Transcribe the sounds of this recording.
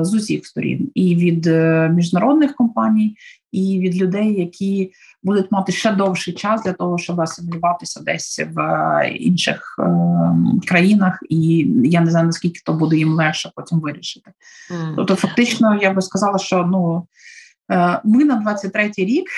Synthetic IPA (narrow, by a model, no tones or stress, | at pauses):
zʊsʲḭxst̪ɔɾʲḭniʋʲid̪mʲiʒnɐɾɔd̪nɪxkɔmpɑnʲij | iʋʲid̪lʲʊd̪ɛjːɐkʲʰi | bud̪ʊtʲmɑt̪ɪʃt͡ʃɛd̪ɔwʃɪjt͡ʃɑsd̪lʲɐt̪ɔɦɔʃt͡ʃɔbɪɐsɪmʲlʲʊʋɑt̪ɪsʲɐd̪ɛsʲʋḭnʃɪ̰x | kɾɐjinɐxijaneznɑjnɐsʲkʲilʲkɪ̥t̪ɔbud̪ʊjimlˠɛxʃɛpɔtʲimʋɪɾʲiʃɪ̥t̪ɪ̥ | t̪ɔp̚t̪ɔfɐk̚t̪ɪt͡ʃnɔjaɡ̚bɪskɐzɑlˠɐʃt͡ʃɔnu | mɪnɐd̪ʋɑt͡sʲːɐtʲt̪ɾɛtʲijɾʲik